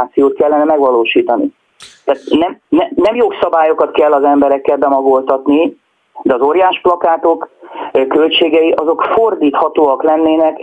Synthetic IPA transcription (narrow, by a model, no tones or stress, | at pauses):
t̪sijoːt̪̚kɛlːɛnɛmɛɡʋɒloːʃiːt̪ɒnḭ | t̪aːt̪nɛmnɛnɛmjoːksɒbaːjo̞kɒt̪kɛlːɒzɛmbɛɾɛkːɛlbɛmɒɡo̞lt̪ɒt̪ni | d̪ɛɒzoːɾjaːʃplɒkaːt̪o̞kkølt͡ʃeːɡɛjiʔɒzo̞kfo̞rd̪iːt̪hɒt̪oːɒklɛnːeːnɛk